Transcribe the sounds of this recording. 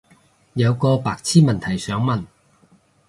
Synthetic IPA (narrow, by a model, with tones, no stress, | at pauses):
jɐ˨˧wkɔː˧paː˨k̚t͡sʰiː˥mɐ˨nt̪ʰɐ˨˩jsœː˨˥ŋmɐ˨˩n